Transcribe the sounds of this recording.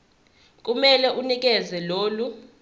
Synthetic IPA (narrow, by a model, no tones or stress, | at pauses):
k̬ʼumɛlɛʔunik̬ɛzɛloːlu